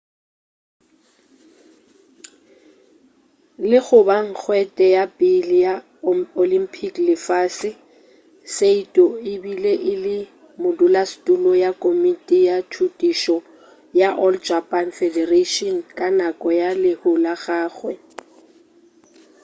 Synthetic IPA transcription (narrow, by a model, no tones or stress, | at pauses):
lɪχʊbaŋ̩k͡xʰwɛtʼɛjapʼɪlja | olimpʰiklɪfaːsɪ | seitʼɔɪbileʔɪlɪ | mʊdʊlastʼulɔjakʼomitʼijatʰutʼiʃɔ | jaʔɔld͡ʒapʼanfɛdɛreʃɔnkʼanakʼɔjalɪhʊlaɣaːɣwɛ